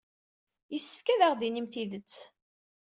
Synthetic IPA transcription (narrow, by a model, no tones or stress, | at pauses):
jəsːə̥fkæðaʁðinimθiðət͡sː